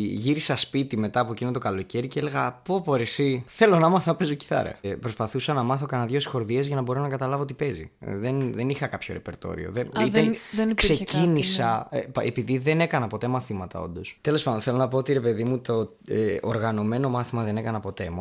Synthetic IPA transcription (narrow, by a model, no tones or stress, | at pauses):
ʝiɾisɐspit̪ime̞t̪ɐːpoecinot̪okɐlo̞ce̞ɾiceele̞ɣɐpo̞poɾesiθe̞lo̞nɐmɐθɐpe̞zoci̥θɐ̰ɾɐ̰pɾo̞spɐθusɐnɐmɐθo̞kɐnɐðʝosxo̞ɾðiezʝɐnɐbo̞ɾonɐkɐt̪ɐlɐvo̞ot̪ipe̞zḭðenðenixɐkɐpço̞ɾe̞pe̞ɾt̪o̞̰ɾḭo̞̰ðeniðenkse̞cinisɐḛpiðiðe̞ne̞kɐnɐpo̞t̪e̞mɐθimɐt̪ɐ̰o̞̰nd̪o̞st̪e̞lo̞spɐd̪onθe̞lo̞nɐpoot̪iɾe̞pe̞ðimut̪o | eoɾɣɐno̞me̞no̞mɐθimɐðe̞ne̞kɐnɐpo̞t̪e̞m